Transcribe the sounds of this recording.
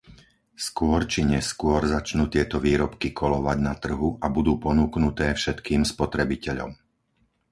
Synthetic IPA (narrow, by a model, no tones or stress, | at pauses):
skʊɔɾt͡ʃiɲɛskʊɔɾzat͡ʃnuːt̪ɪɛt̪ɔʋiːɾɔpkikʰɔlɔʋaɟnat̪r̩ɦuʔabud̪uːpɔnuːknut̪ɛːfʃɛt̪kiːmspɔt̪ɾɛbicɛʎɔ̰m